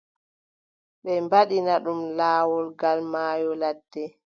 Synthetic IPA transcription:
ɓɛmbaɗinaɗumlaːwɔlɡalmaːjɔlad̥ːɛ

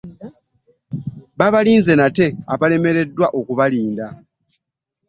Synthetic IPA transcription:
βaβaliːnze̞nate̞aβale̞me̞ɾe̞dːwaʔo̞kuβaliːnda

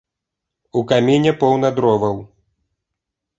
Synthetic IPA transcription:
ukamʲenʲɛpɔwnɐd̪ɾɔvɐw

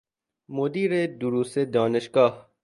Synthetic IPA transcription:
mod̪iːɾed̪uɾused̪ɔːneʃɡɑːh

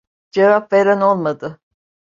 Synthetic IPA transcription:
d͡ʒevap̚veɾano̞lˠmad̪ɯ

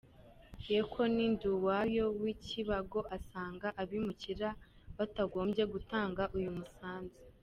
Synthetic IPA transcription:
ekʰo̞ninduwajo̞wiciβaɡo̞ʔasaːŋɡaʔaβimuciɾa | βataɡo̞ːmbɟe̞ɡutaːŋɡaʔujumusaːnzi

